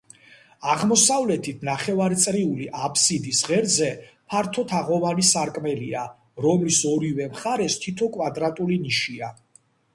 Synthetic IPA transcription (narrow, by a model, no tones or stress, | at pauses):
aʁmɔsavlɛt̪ʰit̪ʰnaχɛvaɾt̪sʼɾiuliʔapʰsid̪isʁɛɾzɛ | pʰaɾt̪ʰɔt̪ʰaʁɔvanisaɾkʼmɛlia | ɾɔmlisɔɾivɛmχaɾɛst̪ʰit̪ʰɔkʼwad̪ɾat̪ʼuliniʃia